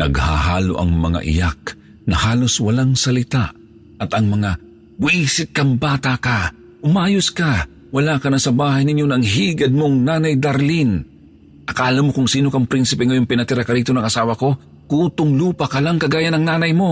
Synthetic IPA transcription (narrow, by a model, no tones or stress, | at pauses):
nɐ̰ɡha̰ɦaːlo̰ʔɐ̰ŋmɐ̰ŋa̰ʔɪ̰jak̚ | nɐhaːloswɐlaŋsɐlɪt̪aʔ | ʔɐt̪ɐŋmɐŋa | wisɪt̪̚kambaːt̪aka | ʔʊmaːjʊska | wɐlakɐnasɐbaːɦajnɪɲjonaŋɦiɡɐd̪̚moŋnaːnajd̪aɾlin | ʔɐkaːlamːokʊŋsiːnokaŋpɾinsɪpɛŋɐjoŋpɪnɐt̪ɪɾakaɾiːt̪onɐŋɐsaːwako̞ | kuːt̪ʊŋluːpakɐlaŋkɐɡaːjanɐŋnaːnɐjmo